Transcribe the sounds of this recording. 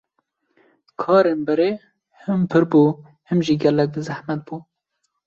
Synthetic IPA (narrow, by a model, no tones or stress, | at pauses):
kʰɑːɾeːnbɛɾeː | hɨmpʰɨɾbuː | hɨmʒiːɡʲɛlɛk̚d̪ɨzæhmɛt̪̚buː